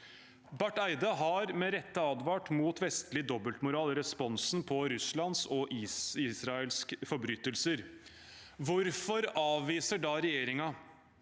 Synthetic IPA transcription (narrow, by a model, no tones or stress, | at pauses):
bæʈːæɪd̪əɦɑɾmɛɾɛt̪ːəɑːd̪ʋɑːʈmuːt̪ʋɛst̪lɪd̪ɔbəlt̪mʊɾɑːlɾɛspɔnsn̩pʰɔɾʉslɑnsɔʔiːsɾɑəlskfɔbɾyːt̪ːəlsəɾ | ʋʊɾfɔɾɑːʋiːsəɖɑːɾɛjeːɾɪŋɑ